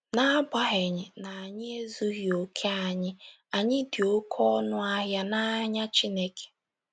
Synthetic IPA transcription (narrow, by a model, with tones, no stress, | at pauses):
na˨˦ba˦ɦe˨ɲɪ˨na˨a˨ɲɪ˦e˦zu˦ɣjo˨kʰe˦a˨ɲɪ˦ | a˨ɲɪ˦dɪ˨o˦kʰɔ˦nʊ˦a˦ɦja˦na˦ɲa˦t͡ʃi˦ne˦kʰe̥˨